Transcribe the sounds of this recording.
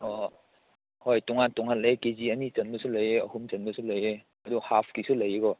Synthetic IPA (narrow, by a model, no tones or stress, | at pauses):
ɔ | hojtuŋantɔŋanlejkeziɐnit͡ʃɐnbɐsulɐjeɐ̰humt͡ʃɐnbɐsulɐje | ɐduhapʰkisulɐjeɡɔ